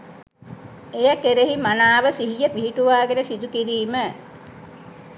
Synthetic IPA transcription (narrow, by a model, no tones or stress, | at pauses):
ejəkeɾeɦimanaːʋəsiɦijəpiɦiʈuʋaːɡenəsid̪ukiɾiːmə